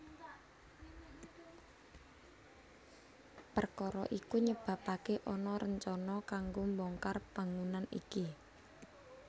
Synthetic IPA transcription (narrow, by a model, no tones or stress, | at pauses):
pərkɔɾɔ̰ʔikuɲəb̥ä̤pakeʔɔnɔɾəɲt͡ʃɔnɔkaŋɡombɔŋkarb̥a̤ŋunanḭki